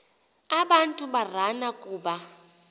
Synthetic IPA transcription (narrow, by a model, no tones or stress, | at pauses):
aɓantʼubar̤anakʼuːba